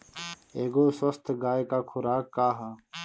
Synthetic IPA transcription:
eːɡoːswəst̪ʰɡaːekaːkʰʊɾaːkːaːɦaː

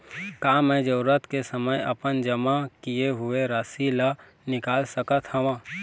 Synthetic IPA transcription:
kaːmɛ̃d͡ʒəɾət̪kesəməjɐ̰pənd͡ʒəmakijeɦʊeɾasila | nɪkaːlsəkət̪hɐʋãː

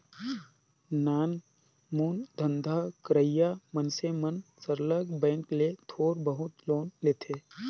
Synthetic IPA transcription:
naːn | muːnd̪ʱə̃nd̪ʱakɾəjaːmənsemənsəɾləɡbɛ̃ːŋklet̪ʰoːɾbəɦʊt̪loːnleːt̪ʰeː

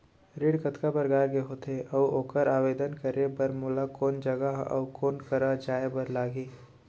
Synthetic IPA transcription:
ɾiɽkət̪kapɐɾɡaːɾkeɦoːt̪ʰeʔɐwoːkəɾaːʋeːd̪ənkəɾebɐɾmʊːlakoːnd͡ʒɐɡəɦɔ̰ːkoːnkɐɾad͡ʒaːebɐɾlaːɡeː

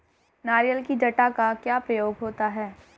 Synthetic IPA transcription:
naːɾijəlkid͡ʒɐʈakakjaːpɾɐjoːɡɦoːt̪aɦɛː

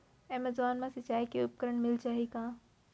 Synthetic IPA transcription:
ɛməzwaːnmãsɐt͡ʃaːikiʊp̚kəɾəɳmɪlt͡ʃaːɦikãː

